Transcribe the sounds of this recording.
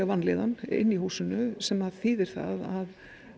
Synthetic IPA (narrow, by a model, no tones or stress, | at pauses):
ɣavanːlḛːðanɪ̰nːihuːsʏnʏsɛmaðθiːðɪɾ̥θa̰ðað